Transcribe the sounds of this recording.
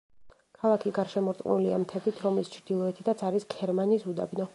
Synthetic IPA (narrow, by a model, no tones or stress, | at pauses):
kʰalˠakʰiɡaɾʃɛmɔɾt̪ʼqʼnuliamt̪ʰɛbit̪ʰɾɔmlist͡ʃʰɾd̪̥ilˠɔɛt̪ʰit̪ʰat̪sʰaɾisɡʰɛɾmaniːsud̪a̰bnɔ